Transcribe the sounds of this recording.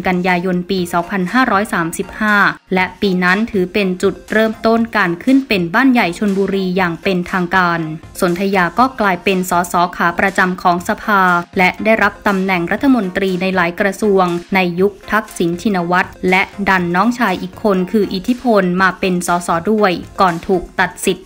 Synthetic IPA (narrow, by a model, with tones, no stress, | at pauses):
nka˧njaː˧jo˧npiː˧sɔː˩˦ŋpʰa˧nhaː˥˩ɾɔː˦˥jsaː˩˦msi˨˩p̚haː˥˩lɛ˦˥ʔpiː˧na˦˥nt̪ʰɯː˩˦pe˧nt͡ɕu˨˩t̪̚ɾɤː˥˩mt̪o˥˩nkaː˧nkʰɯ˥˩npe˧nbaː˥˩nja˨˩jt͡ɕʰo˧nbuː˧ɾiː˧jaː˨˩ŋpe˧nt̪ʰaː˧ŋkaː˧nso˨˩˦nt̪ʰa˧jaː˧kɔː˥˩klaː˧jpe˧nsɔː˩˦sɔː˩˦kʰaː˩˦pɾa˧t͡ɕa˧mkʰɔː˩˦ŋsa˧pʰaː˧lɛ˦˥daː˥˩jɾa˦˥p̚t̪a˧mnɛ˨˩ŋɾa˦˥t̪ʰːa˧mo˧nt̪ɾiː˧na˧jlaː˩˦jkɾa˧su˧əŋna˧jːu˦˥k̚t̪ʰa˦˥k̚si˩˦nt͡ɕʰi˧na˧wa˦˥t̪̚lɛ˦˥da˧nːɔː˦˥ŋt͡ɕʰaː˧jʔiː˨˩kʰːo˧nkʰɯː˧ʔi˨˩t̪ʰːi˦˥pʰo˧nmaː˧pe˧nsɔː˩˦sɔː˩˦du˥˩əjkɔː˨˩nt̪ʰuː˨˩k̚t̪a˨˩t̪̚si˨˩t̪̚